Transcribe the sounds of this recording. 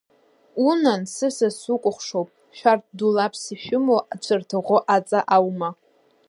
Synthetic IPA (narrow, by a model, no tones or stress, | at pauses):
unansɨsasukʷʼʊχʷʂowpʼ | ʃᶣart̚ʰdulapʰsiʃᶣʊmoʔat͡ɕʷʰɨrtʰɨʁʷoʔat͡sʼaʔawma